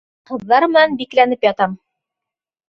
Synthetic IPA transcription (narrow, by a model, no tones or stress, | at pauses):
qɤ̆ðːɑɾmɘ̆nænbiklænɘpjɑt̪ɑm